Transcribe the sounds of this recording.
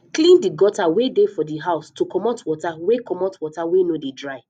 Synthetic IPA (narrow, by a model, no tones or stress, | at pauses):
klĩndiɡɔtawedefɔdiɦaʊstokɔmɔtwɔtawekɔmɔtwɔtawenodedɹaɪ